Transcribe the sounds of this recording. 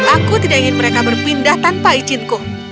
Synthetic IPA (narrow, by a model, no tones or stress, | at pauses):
lakut̪idaʔiŋɪnməɾekabərpindaht̪anpait͡ʃɪnkʊh